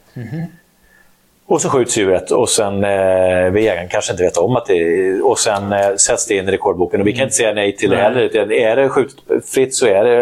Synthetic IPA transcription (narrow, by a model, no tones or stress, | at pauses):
ɔsɛnɧʉ̟ːt̪sjʉ̟ːɾət̪ʰːɔsɛn | vɪjeːɡankʰanʂəɪnt̪əveːt̪aɔmːat̪̚d̪ɛɔsɛnsɛt̪sd̪ɛɪnːɪɾɛkʰɔɖbuːkənɔvɪkʰanɪnt̪əsɛjːanɛjt̪ʰɪld̪ɛɦɛlːəɾʉ̟ːt̪anæɖɛɧʉ̟ːt̪ə̥t̪fɾɪt̪ːsɔæɖɛ